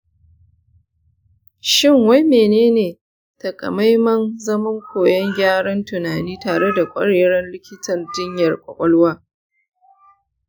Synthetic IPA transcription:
ʃɪ˦ŋwa˦jmeː˨neː˦neː˨ | tɐ˨kʼɐ̰˨ma˦jmɐ˦nzɐ˦mɐ˦ŋkʷoː˨jɐ˦ŋɡʲaː˦ɽɐ˦ntʊ˨naː˨niː˦taː˨ɽe˦da˨kʷʼɐ̰˦ɽeː˨ɽɐ˦nlɪ˦kʲɪ˦tʰɐ˨rdɪ˦ɲjɐ˨rkʷʼɐ̰˨kʷʼɐ˦lwaː˦

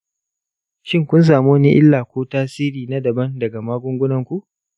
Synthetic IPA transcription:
ʃɪ˦ŋkʷʊ˦ns̬aː˨mu˦wɐ˦ni˦ʔɪ˦lːaː˨kʷoː˦taː˦siː˦ɾiː˨na˦dɐ˨bɐ˦ndɐ˨ɡa˨maː˦ɡʷʊ˦ŋɡʷʊ˦nɐ˨ŋkʷu˦ʔ

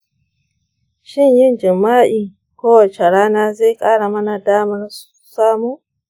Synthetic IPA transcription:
ʃɪ˦ɲjɪ˦nd͡ʒɪ˨mːaː˦ʔiː˨ | kʷoː˦wa˨t͡ʃe˨ɽaː˦naː˦ze˦˨kʼaː˦ɽa˨mɐ˦na˨daː˦mɐ˦nsu̥˨saː˦muː˦

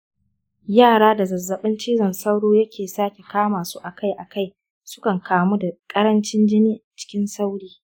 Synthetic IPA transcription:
jaː˦˨ɽaː˦da˨zɐ˨zːɐ˨ɓɪ˦nt͡ʃiː˦zɐ˨nsa˦wɽoː˦jɐ˦kʲʰeː˨saː˦kʲe˨kaː˦maː˨su˦ʔa˨ka˦jʔa˨ka˦j | sʊ˦kɐ˨ŋkʰaː˨mu˦da˨kʼɐ˦ɾɐ˦nt͡ʃɪ˦nd͡ʒɪ˦niː˦˨t͡ʃɪ̥˦kʲɪ˦nsa˦wɽiː˦

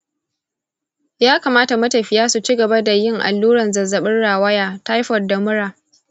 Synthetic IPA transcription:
jaː˦kaː˨maː˦ta˨mɐ˦tɐ˨ɸɪ˨jaː˦su˨t͡ʃi˦ɡɐ˨ba˦da˨jɪ˦ŋʔa̰˨lːuː˦ɾɐ˨nzɐ˨zɐ˨ɓɪ˦nɽaː˨wɐ˦jaː˨ta˦jɸɔ˨rda˨mʊ˦ɽaː˨

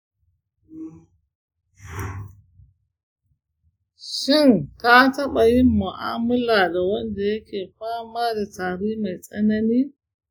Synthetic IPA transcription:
ʃɪ˦nta˦tɐ˦ɓa˨jɪ˦mːu˨ʔa̰ː˦mʊ˦la˨da˨wɐ˦nda˨jɐ˦kʰʲeː˨ɸaː˦maː˦da˨taː˨ɾiː˦ma˨jsʼɐ˦nɐ˦niː˦

